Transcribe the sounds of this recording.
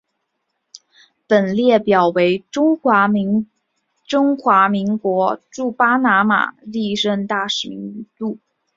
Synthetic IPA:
pə˨˩nljɛ˥˩pjɑ˨˩ʊwe˧˥ɪʈ͡ʂʊ˥ŋwa˧˥˧ | ʈ͡ʂʊ˥ŋxwa˧˥mi˧˥ŋkwɔ˧˥ʈ͡ʂu˥˩pa˥na˧˥ma̰˨˩li˥˧ɻə˥˧nt̪a˥˩ʂɻ̩˨˩mḭ˧˥ŋi˧˥˩t̪u˥˩

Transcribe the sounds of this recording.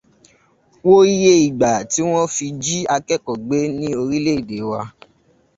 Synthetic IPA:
wo˦i˦je˧i˨ɡ͡ba˨ti˨˦w̃ɔ̃˦fi˧d͡ʒi˦a˧kɛ˦˨kɔ˨ɡ͡be˦nĩ˦o˧ɾi˦le˦i˨de˨˦wa˧

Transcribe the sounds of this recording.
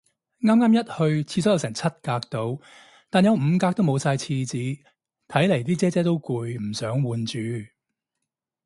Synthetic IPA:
ŋaː˥mŋaː˥mjɐ˥t̚hɵ˧ɥt͡sʰiː˧sɔː˨˥jwsɛː˨˩ŋt͡sʰɐ˥t̚kaː˧k̚t̪o˨˧w | t̪aː˨njɐ˨˧wm̩˨˧kaː˧k̚t̪o˥wmo˨˧wsaː˧jt͡sʰiː˧t͡siː˨˧ | t̪ʰɐ˨˥jle˨˩jt̪iː˥t͡sɛː˥t͡sɛː˥t̪̬o˥wkuː˧jm̩˨˩sœː˨˥ŋwuː˨˧nt͡ʃyː˨˧

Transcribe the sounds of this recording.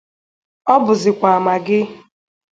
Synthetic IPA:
ɔ˦bʊ˨zɪ˨kʷa˨a˨ma˨ɡɪ˦

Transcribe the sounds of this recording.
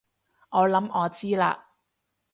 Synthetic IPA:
ŋɔː˨˧lɐ˨˥mɔː˨˧t͡siː˥la̰ː˧

